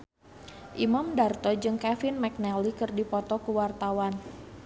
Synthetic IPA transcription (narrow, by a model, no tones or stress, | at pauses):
ʔimamdart̪ɔd͡ʒɨŋkafɪnmak̚nɛlikɨrdipɔt̪ɔkuwart̪awan